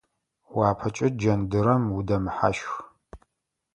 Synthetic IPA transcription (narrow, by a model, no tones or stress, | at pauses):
waːpʰɐt͡ʃʼɪd͡ʒɐndɨɾɐmwudɐmħa̰ʃx